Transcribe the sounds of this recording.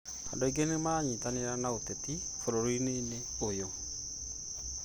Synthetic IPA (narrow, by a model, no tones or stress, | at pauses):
a̰dɔiɡenemaɲitaneɾanaoteti | foloɾoineine | ojo